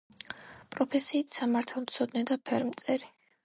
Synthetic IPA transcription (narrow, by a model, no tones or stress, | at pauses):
pʼɾɔpʰɛsiːt̪ʰsamaɾt̪ʰalˠmt̪sʰɔd̪nɛd̪apʰɛɾmt̪sʼɛɾi